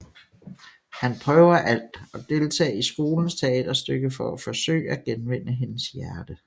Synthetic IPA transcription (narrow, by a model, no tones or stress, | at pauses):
hænpʰʁœːʊɐʔæl̰d̥ɒ̽d̥e̝lt͡sʰɛ̰ːisɡ̥o̝ːln̩st͡sʰeɛd̥ɐsd̥øɡ̥əfɒ̽æfɒ̽sø̰ːɪ̰æɡ̥enʋen̰əɦe̝nəsjæɐd̥ə